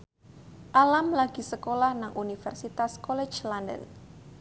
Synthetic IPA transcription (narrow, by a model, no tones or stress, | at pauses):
ʔalamlaɡ̥i̤səkolahnaŋʔunifɛrsit̪askolɛ̥t͡ʃlandə̰l